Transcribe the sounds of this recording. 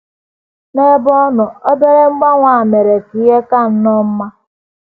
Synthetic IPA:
ne˦bɔ˦nʊ˨o˦be˦ɾe˦ŋ͡m̩˦ɡ͡ba˦ŋʷa˨a˨me˨ɾe˨ki˨je˦ka˦˨n̩˦nɔ˦m̩˦ma˦

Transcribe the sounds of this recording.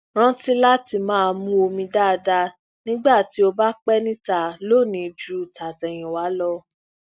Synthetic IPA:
ɾ̃ã˦ti˦la˦ti˨mãː˨˦˧mũ˦o˧mĩ˧da˦˨˧da˧ | nĩ˦ɡ͡ba˦˨ti˨˦o˧ba˦k͡pɛ˦nĩ˦ta˨lo˦˨nĩ˨˦d͡ʒu˦˨ta˨tɛ˨j̃ĩ˨wa˨˦lɔ˧

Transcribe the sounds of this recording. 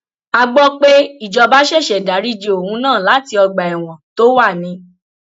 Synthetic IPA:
a˧ɡ͡bɔ˦k͡pe˦i˦˨d͡ʒɔ˧ba˦ʃɛ˦˨ʃɛ˨da˨˦ɾi˦˨d͡ʒe˧o˨hũ˧nãː˦˨la˨˦ti˧ɔ˧ɡ͡ba˨ɛ˨w̃ɔ̃˨to˦wa˦˨nĩ˧˦

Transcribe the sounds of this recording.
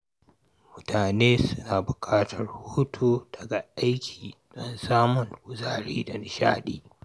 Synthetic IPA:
mʊ˦tʰaː˨neː˦sʊ˦naː˨bʊ˨kʰaː˦tʰɐ˨rhuː˦tʰuː˦dɐ˨ɡa˨ʔa˦jkʲʰiː˨ɗɔ˦nsaː˦mʊ˨ŋʔʊ˨zaː˦˨ɽḭː˦dɔ˨˦nʃa̰ː˦ɗiː˦

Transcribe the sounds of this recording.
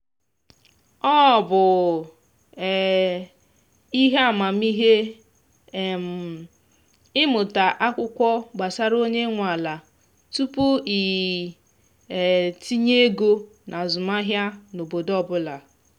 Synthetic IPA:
ɔ˦˨bʊ˨ | i˦ɦe˦a˦˨ma˨mi˦ɦe˦˨ | m̩˨ | ɪ˦mʊ˨ta˨ʔa˦kʷʊ˦kʷɔ˦ɡ͡ba˨sa˦ɾo˦ɲe˦ŋʷa˨la˨ | tu˦pʊ˦i˨ | ti˦ɲe˦e˦ɡo˦ | nʔa˨zʊ˨ma˦ɦja˦no˨bo˨dɔ˦bʊ˦la˨

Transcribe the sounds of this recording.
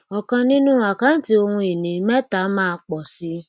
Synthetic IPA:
ɔ˨kã˧nĩ˦nũ˦a˨kã˨˦n̩˦ti˦o˧hũ˧i˨nĩ˨˦mɛ˦ta˨˦mãː˦˧k͡pɔ˨si˦

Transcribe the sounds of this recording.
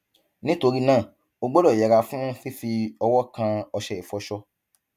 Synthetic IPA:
nĩ˦to˧ɾi˦nãː˦˨ | o˧ɡ͡bo˦lɔ˦˨jɛ˨ɾa˧fũ˦fi˦fi˧ɔ˧wɔ˦kã˧ɔ˧ʃɛ˨i˨fɔ˧ʃɔ˧

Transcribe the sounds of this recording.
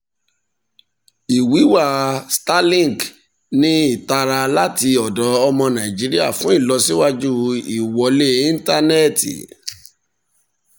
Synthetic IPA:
i˨wi˨˦wa˦˨sta˦lĩ˦˨ɡ | nĩ˦i˦˨ta˧ɾa˧la˦ti˧ɔ˨dɔ˨˦ɔ˧mɔ̃˧nã˨ĩ˨d͡ʒi˨˦ɾi˦a̰˦˨fũ˨˦i˦˨lɔ˧si˦wa˦d͡ʒu˦i˨wɔ˨˦le˦ĩ˦n˦ta˦nɛ˦˨tḭ˨

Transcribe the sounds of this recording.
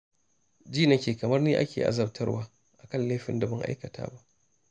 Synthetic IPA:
d͡ʒiː˦˨nɐ˦kʲeː˨kɐ˨mɐ˦rniː˦ʔa̰˦kʲḛː˨ʔa̰˨zɐ˨b̚tʰɐ˦rwaː˦ | ʔa˨kɐ˦nleː˦ɸɪ̰˨nda˨bɐ˦ŋʔa̰˦jkɐ˨tʰa̰ː˦ba˦ʔ

